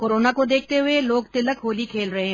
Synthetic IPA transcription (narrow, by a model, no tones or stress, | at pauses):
koːɾoːnakod̪eːk̚ʰt̪eɦʊeloːɡt̪ɪləkɦoːlikʰeːlɾɐɦẽ